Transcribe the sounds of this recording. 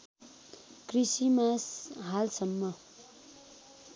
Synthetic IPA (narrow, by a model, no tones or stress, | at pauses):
krisimasɦalsʌmːʌ